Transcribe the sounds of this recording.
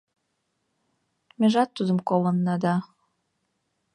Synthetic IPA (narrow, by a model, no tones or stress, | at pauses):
meʒɑt̪ːud̪əmkolənːɑd̪ɑ